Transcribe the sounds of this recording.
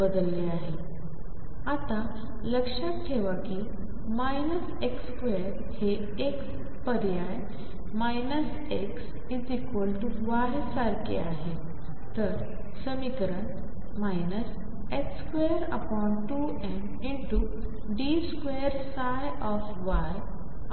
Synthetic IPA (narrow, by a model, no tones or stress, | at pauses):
bəd̪əlːeaɦe | at̪a | ləkʂaʈʰeʋaki | majnəs | ekskʋeɾ | he | ek | pəɾjaj | majnəs | eks | id͡zikʋəlʈuʋajsaɾkḛaɦe | t̪əɾ | səmikɾəɳ | majnəs | ekskʋeəɾə̰pɔɳʈu | ẽn | iɳʈu | ɖiskʋeəɾsaj | ɔf | ʋaj